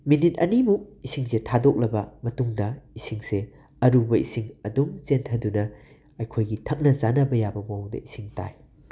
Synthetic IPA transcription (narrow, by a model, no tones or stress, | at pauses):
minit̚ɐ̰nimuk̚isiŋsetʰadok̚lɐbɐmɐtuŋdɐisiŋse | ɐɾubɐisiŋɐdumzentʰɐdunɐ | ɐjkʰojɡitʰɐk̚nɐzanɐbɐjabɐmɐwwdɐ̰isiŋta̰j